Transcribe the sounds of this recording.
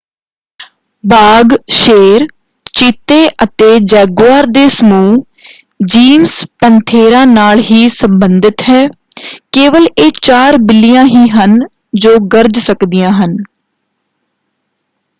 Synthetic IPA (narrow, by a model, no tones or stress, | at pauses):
baːɡʃeːɾ | t͡ʃɪt̪eːʔət̪eːd͡ʒɛːɡʋaːɾd̪eːsəmuː | d͡ʒiːmspənt̪ʰeːɾãːnaːlɦiːsəmbənd̪ɪt̪ɦɛː | keːʋəleːt͡ʃaːɾbɪlɪjãːɦiːɦən | d͡ʒoːɡəɾd͡ʒsəkd̪ɪjãːɦən